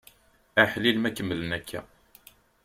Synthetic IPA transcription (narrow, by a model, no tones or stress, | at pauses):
æħlilmækəmːələnækʰːæ̰